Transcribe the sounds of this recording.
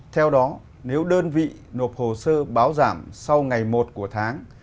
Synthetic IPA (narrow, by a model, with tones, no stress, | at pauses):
t̪ʰɛ˧wɗɔ˨˦ | ne˨˦wɗəː˧nvḭ˧˨no˨˩p̚ho˨˩səː˧ɓaː˨˦wzaː˧˩msa˧wŋa˨˩jmo˨˩t̚ku˧˩ət̪ʰaː˨˦ŋ